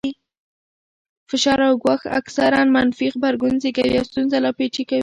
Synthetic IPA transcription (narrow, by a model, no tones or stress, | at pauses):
fɪʃɑɾawɡwɑxa̰ksaɾanmanfixbaɾɡʊnzekawiawst̪unzalɑpet͡ʃikawi